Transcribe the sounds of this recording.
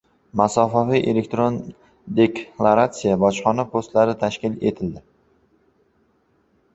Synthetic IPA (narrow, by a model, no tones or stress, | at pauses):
masɒfavijʔele̞kt̪ɾon | d̪e̞klˠaɾat̪sijabɒt͡ʃχɒnapʰost̪laɾɪt̪ʰaʃkʲɪle̞̰t̪ʰɪld̪ɪ